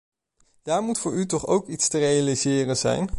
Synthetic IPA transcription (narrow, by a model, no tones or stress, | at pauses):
d̥aːɹmutfʊːɹytɔχowkitstərejalizɪːrənzɛ̰jn